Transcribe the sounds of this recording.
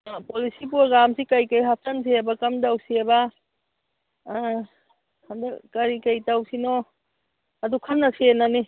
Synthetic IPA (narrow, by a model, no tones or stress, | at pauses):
polisip̬uaɡamsikɐjkajɦap̚tɐns̬ʰiabakɐmdawsieba | andakɐɾikɐjtawsinɔ | ɐdukʰɐnːasienani